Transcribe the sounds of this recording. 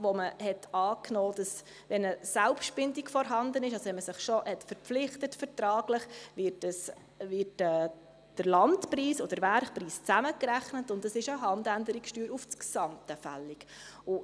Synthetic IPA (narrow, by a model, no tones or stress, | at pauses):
ʋɔməhɛtɑːknɔːd̥ɑs | ʋɛnəsælpʃtb̥ɪndikfɔɾɦɑnd̪ənɪʃɑsɔʋɛnməsɪχʃɔhɛtfəɾpflɪχtətfəɾtɾɑːɡləχʋɪtəs | vɪtɛː | d̥əɾlɑntpriːsɔd̥əɾʋæɾχpriːst͡sæməkɾæχnətʊndɑsɪʃəɦɑndændəɾiksʃtyːɾuft͡sksɑmtəfæ̰lːikʊ